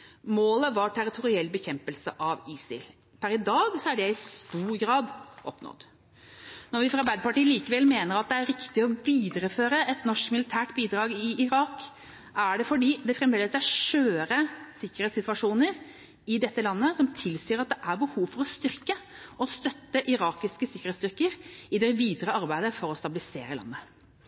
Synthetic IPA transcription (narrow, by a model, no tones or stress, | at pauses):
moːləʋɑʈʰæɾɪt̪ʰʊɾɪɛlbəçɛmpəlsəʔɑʋiːsɪ̰l | pʰæɾɪd̪ɑːɡsɔæɖɛɪst̪uːɾɡɾɑːd̪ʔɔpnɔ̰d̪ | nɔɾʋɪfɾɑɾbæɪd̪əpɑʈiːəliːkəʋɛlmeːnəɾɑt̪̚d̪ɛæɾɾɪkt̪ɪɔʋiːd̪əɾəføːɾəɛt̪nɔʂkmɪlɪt̪ʰæːʈbiːd̪ɾɑːɡɪɪɾɑːk | ʔæɖɛfɔɖiːd̪ɛfɾɛmʋ̪ɛləsæʂøːɾəsɪkːəɾhɛːt̪sɪt̪ʋɑʂuːnəɾ | ɪd̪ɛt̪ːəlɑnːəsɔmt̪ʰɪlsiːɾɑt̪̚d̪ɛʔæɾbəhuːʋfɔɾɔst̪ʏɾkəɔst̪œt̪ːəʔɪɾɑːkɪskəsɪkːəɾhɛt̪st̪ʏɾkəɾɪd̪ɛʋiːd̪ɾəɑɾbæɪd̪əfɔɾɔst̪ɑbɪlɪsḛːɾəlɑ̰nːə